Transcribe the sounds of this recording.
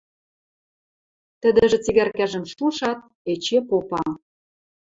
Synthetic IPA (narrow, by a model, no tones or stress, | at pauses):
t̪ə̆d̪ə̆ʒĕt͡siɣærkæʒə̆mʃuʃɑt̪̚ | et͡ɕepopɑ